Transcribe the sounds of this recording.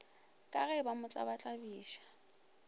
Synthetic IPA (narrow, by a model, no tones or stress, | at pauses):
kʼaɣɛbamʊt͡ɬʼa̰bat͡ɬʼabiːʃḁ